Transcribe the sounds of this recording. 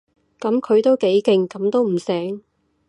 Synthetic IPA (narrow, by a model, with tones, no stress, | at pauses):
kɐ˨˥mkʰɵ˨˧ɥt̪o˥wke˨˥jkɪ˧ŋkɐ˨˥mt̪o˥wm̩˨˩sɛː˨˥ŋ